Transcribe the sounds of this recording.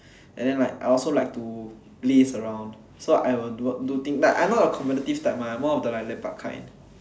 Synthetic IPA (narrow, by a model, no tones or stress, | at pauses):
ʔɛ̰̃ndɛ̃nlaɪkaɪɔlsolajk̚tu̥ | lisəɹãʊ̃nd | soʔa̰jwildut̪ĩŋdatʔã̰jnɔtəkʰɔ̃mpɛtətiftãɪ̃mamɔɔfdəlaɪk̚lɛpa̰ʔkʰã̰n